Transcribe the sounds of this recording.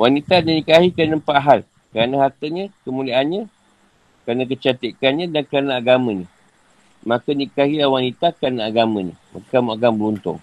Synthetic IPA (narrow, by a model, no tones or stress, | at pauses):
wanit̪ananikaɦikɾanəmpaʔɦal | kəɾanãɦart̪əɲə̃kəmuliaʔanɲə̃ | kɾanãk̬ət͡ʃat̪əkanɲə̃dankəɾanaːɡamə̃ɲə̃ | mãkanikaɦilahwanit̪akɾanaaɡamə̃ɲə̰̃ma̰kamuaɡambəlunt̪ʊ̰ŋ